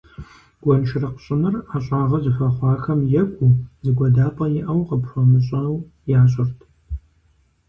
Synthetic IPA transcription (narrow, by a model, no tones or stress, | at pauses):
ɡ̥ʷɔnʃʰɪrɐqəɕʼɪnɨraːɕʼɑːʁɐzɨfɐχʷɑːxɐmjɛkʷʼuzɨɡʷɐdaːpʼɐjɪʔɐwqəpɕʷɔmɨɕʼɐw | jaːɕ̬ʼɪrtʰ